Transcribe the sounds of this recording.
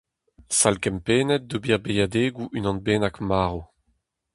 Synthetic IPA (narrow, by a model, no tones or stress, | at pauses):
salkɛmpeːnɛt̚d̪obiʁbejad̪eːɡuʔynɑ̃nbeːnakmaːʁo